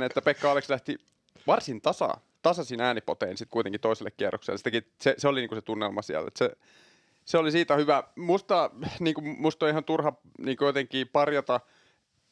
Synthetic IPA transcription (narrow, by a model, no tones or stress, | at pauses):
net̪ːæpekːɑɑlekslæht̪i | ʋɑrsint̪ɑsɑ̰ | t̪ɑsɑsinæːnipo̰t̪einsit̪kuijt̪eŋkit̪oiselːekkiærːokselːesit̪æki | seseoliniːŋkuset̪unːelmɑsiæ̰lːḛt̪se | seolisiːt̪æhyʋæmust̪ɑniːŋkumust̪oihɑnt̪urhɑ | niːŋkujot̪eŋkiːpɑrjɑt̪ɑ